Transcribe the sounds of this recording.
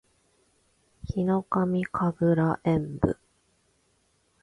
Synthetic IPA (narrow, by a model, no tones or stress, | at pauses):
çino̞kamʲikʰaɡɯ̟ɾaʔẽ̞mbɯ̰